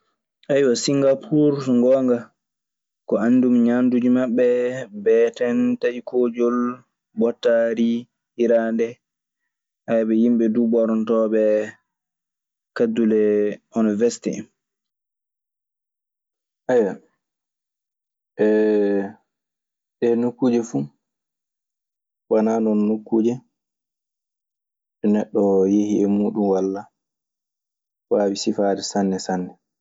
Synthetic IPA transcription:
ʔajwasiŋɡapʰuɾŋɡɔːŋɡa | kɔanːdumɲandud͡ʒimaɓːɛbɛtɛntaikʰoːd͡ʒɔl | bɔtːaɾi | hiɾandɛ | ʔajbɛjimɓɛdubɔɾɔntɔɓɛ | kadulɛunivɛsi̥tḭ | ʔaja | ɛ | ɗɛnukːud͡ʒɛfu | wananɔnːukːuːd͡ʒɛ | ɗɛnɛɗːɔjehiɛmuːɗumwalːa | waːwisifaːɾɛsanːɛsanːɛ

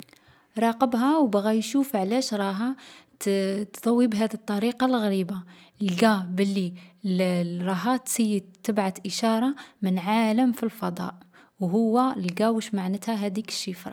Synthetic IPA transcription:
ɾˤɑqəbɦæwbɣæjʃufʕlæʃɾˤɑɦa | t̪t̪ˤɑwːibɦæd̪it̪ˤːɑɾiqɑlɣæɾiba | əlɡæbəlːilɾˤɑɦɑt̪səjːəd̪t̪əbʕat̪ʔəʃɑɾˤɑmənʕaləmfilfɑd̪ˤɑ̰ʔ | wɦʊwːælɡæwəʃmaʕnət̪hæɦæd̪ikə̥ʃːifɾˤɑ

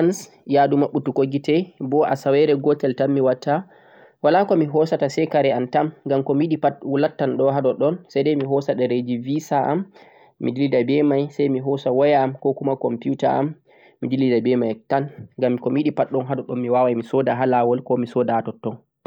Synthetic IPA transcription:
ans | jadumaɓːutukoɡitɛbɔʔasawɛɾɛɡɔtɛltamːiwatːa | walakɔmiɦɔsatasɛkaɾɛantamŋɡamkɔmiɗipatwulatːanɗɔɦaɗɔɗɔnsajdɛjmiɦɔsaɗɛɾed͡ʒivisaʔa̰mː | idilidabɛmajsajmiɦɔsawajaːmkɔkumakɔmpjuta̰ʔa̰mː | idilidabɛmajtanŋɡamːikɔmiɗipaɗːɔnɦaɗɔɗɔnmiwawajmisɔdaɦalawɔlkɔmisɔːdaatɔtːɔn

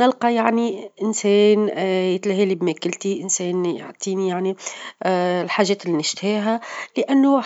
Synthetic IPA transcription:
nɪlqɑjaʕniʔɪnsɛːnjɪt̪læɦilibmækɪlt̪iʔɪnsɛːnjo̰ʕt̪ˤiːnijaʕni | lħaːʒɛːt̪ɪlinɪʃt̪hiːɦælɪʔænːʊ

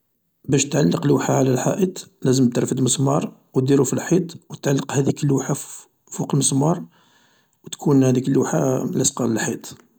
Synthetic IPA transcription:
bæʃt̪ʕalːəqluħaʕlælħa̰ʔət̪ˤlæzəmt̪əɾˤfəd̪məsˤmɑɾˤwd̪iɾufilħit̪ˤwət̪ʕalːəqhæd̪iklːuħa | fuqlməsˤmɑɾˤ | wt̪kʰunhæd̪iklːuħa̰læsqɑləlħit̪ˤ

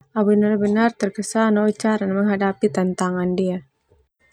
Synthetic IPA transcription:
ʔabənarbənart̪ərkəsanaut͡ʃaɾanməŋɦadapit̪ənt̪aŋandia

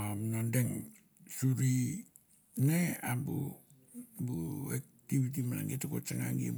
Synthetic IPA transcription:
amnandeŋ | suɾi | neabṵ | buek̚ | tibit̬imana̰ŋɡetakot͡ʃaŋaŋɡḭ

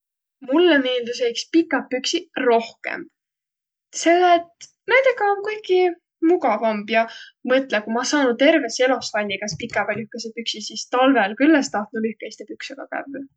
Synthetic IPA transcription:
mulːemeːld̪us̬ejkspikːˑɑpːyksiro̞hkḛm | se̞lːet̪ | ned̪ekɑonkujki | muɡɑvɑmbjɑmɤt̪ˑlekumɑsɑːnud̪̚t̪e̞rveselo̞sfɑjnʲːikɑspikːˑɑvelyhkesepyksisist̪ɑlveɑlkylːest̪ɑht̪nulyhkeist̪epyksuɡ̥ɑkæ̰vː

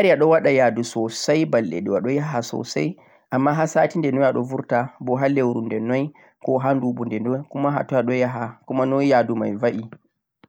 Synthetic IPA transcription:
aɾijaɗɔwaɗajadusɔsajbalːɛ̰ɗɛwaɗɔjaɦasɔ̰sa̰j | ʔamːaɦasatindɛnɔjaɗɔ̰vuɾtabɔɦalewɾundɛnɔj | kɔɦanduɓundɛndɔkumaɦa̰tɔaɗɔjaɦakumanɔjadumajvaʔi

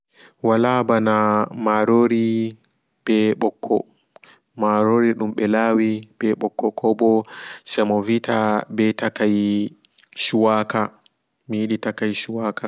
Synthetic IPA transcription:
walabanamaɾoɾi | bɛɓɔkʰːɔ̰ | maɾoɾiɗumɓɛlawibɛɓɔkʰːɔkʰɔbɔsɛmɔvitabɛtakaj | ʃuwaka | mijiɗitakajʃuwaka

